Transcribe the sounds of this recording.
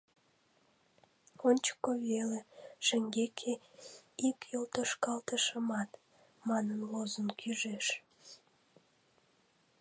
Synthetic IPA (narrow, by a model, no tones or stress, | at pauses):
onʲt͡ɕə̥kːoβeleʃeŋɡekʰe | ikjolt̪əʃkɑlt̪əʃəmɑt̪ | mɑnənlozənkʰyʒeʃ